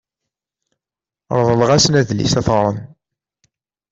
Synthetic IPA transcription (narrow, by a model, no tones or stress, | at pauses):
ɾˤðˤəlʁæsnæðlḭsæθɾˤən